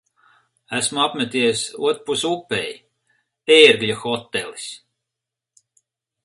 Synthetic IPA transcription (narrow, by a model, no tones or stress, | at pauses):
æsmuapmʲɛt̪ijsṵɔt̪ɾpusupːej | eːɾɡjaxɔt̪ːelis